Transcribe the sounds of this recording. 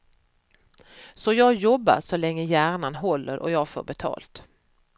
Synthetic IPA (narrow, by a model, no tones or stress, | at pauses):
sɔjɑːɡjɔbːa̰ʂɔlɛŋːəjæːɳanɦɔlːə̰ɾʔɔ̰jɑːɡfo̰ːbɛt̪ʰɑ̰ːlt̪